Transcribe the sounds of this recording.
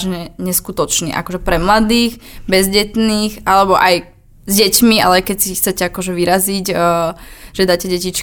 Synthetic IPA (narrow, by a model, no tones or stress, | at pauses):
ʒɲɛɲɛskut̪ɔt͡ʃnḭːʔa̰kɔʒɛpɾɛmlad̪iːɣbɛzɟɛt̪niːɣʔalɛbɔʔaj | zɟɛcmia̰lɛajkɛsixt͡sɛcɛakɔʒɛʋiɾaziɟ | ʒ̥ɛd̪aːcɛɟɛcit͡ʃ